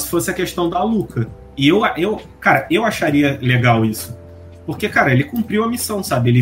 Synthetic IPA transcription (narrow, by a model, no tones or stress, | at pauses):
sɪ̥fosɪɐkeʃt̪ɐ̃w̃d̪ɐlukʰɐ | ɪewaʔewkaɾɐewaʃaɾiɐleɡawisʊ̥ | poɾkekaɾɐelɪkũmpɾiwɐmisɐ̃w̃sabɪelɪ